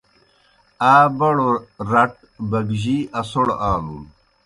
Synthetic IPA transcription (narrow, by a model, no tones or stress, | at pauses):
aːbɐɽoɾɐʈ̚ | bɐɡʑiɐsoɽaːlṵm